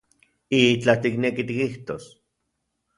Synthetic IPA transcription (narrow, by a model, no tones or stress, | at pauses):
it͡ɬat̪iknekit̪ikiht̪o̰s